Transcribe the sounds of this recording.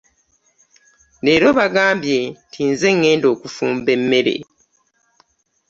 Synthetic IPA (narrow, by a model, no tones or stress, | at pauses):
ne̞ːɾo̞βaɡaːmbjentʰinze̞ŋːe̞ːndo̞ːkufuːmbe̞mːe̞ɾe̞̰